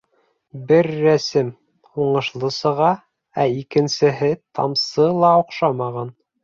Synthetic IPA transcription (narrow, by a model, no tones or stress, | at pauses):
bɘɾːæsɘm | huɴɤ̆ʃlˠɤsɤ̆ʁɑ | æikɘ̆nsɘ̆ɦɘt̪ʰɑ̰msɤlˠɑuqʃɑmɑʁɑn